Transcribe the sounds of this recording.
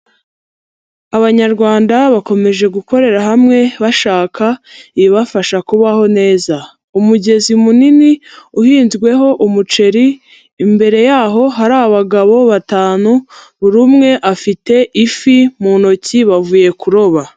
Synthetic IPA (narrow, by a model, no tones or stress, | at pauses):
aβaɲaɾɡwaːndaβako̞me̞ʒe̞ɡukʰo̞ɾe̞ɾaɦamŋe̞βaʃaːkʰaiβiβafaʃakuβaho̞ne̞ːza | umuɟe̞zimuniniuhiːnzɡwe̞ɦo̞ʔumut͡ʃe̞ɾiː | mbe̞ɾe̞jaːɦo̞ɦaɾaːβaβaɡaβo̞βataːnu | βuɾumŋe̞ʔafite̞ʔifimuno̞ciβavuːje̞kuɾo̞βa